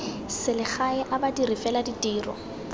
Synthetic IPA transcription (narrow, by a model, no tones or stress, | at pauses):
sɪlɪχaɪʔabadirifɛladitʼiːrɔ̰